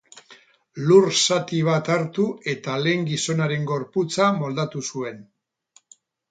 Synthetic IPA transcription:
luɾsat̪iβ̞at̪aɾt̪ue̞t̪ale̞ːŋɡiso̞naɾe̞ŋɡo̞ɾput͡samo̞ld̪at̪usue̞n

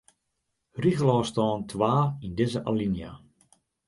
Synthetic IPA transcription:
riɣəlɔːstɔːntʰʋaːindɪzəʔalinja̰

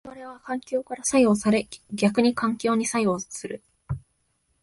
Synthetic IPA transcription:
βaɾe̞βakãŋkʲo̞ːkaɾasajo̞ːsaɾe̞ɡʲakɯ̟ɲ̟ikãŋkʲo̞ːɲ̟isajoːsɨɾɯ̟

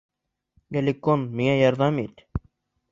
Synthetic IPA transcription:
ɡælʲikːonmiŋæjɑɾðɑmit̪

